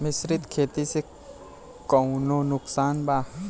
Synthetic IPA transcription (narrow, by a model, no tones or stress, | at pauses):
mɪsɾɪt̪kʰeːt̪ise | kɔnonʊksaːnbaː